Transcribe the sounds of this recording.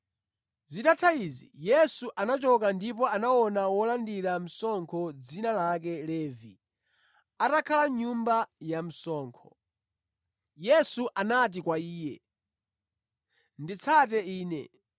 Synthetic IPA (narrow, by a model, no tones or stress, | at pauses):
zitatʰaizijɛsuʔanat͡ʃɔkandipɔanawɔnawɔlandiɾam̩sɔŋkʰɔd͡zinalak̬ɛlɛːvi | atakʰalaɲumbajam̩sɔːŋkʰɔ | jɛsuʔanat̬ikwaiːjɛ | ndit͡sʰat̬ɛiːnɛ̰